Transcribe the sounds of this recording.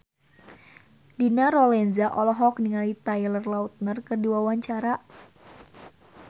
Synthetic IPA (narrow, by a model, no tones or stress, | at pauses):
dinaɾɔlɛnzaʔɔlɔɦɔkniŋalit̪ajlərlaut̪̚nərkədiawaɲt͡ʃaɾa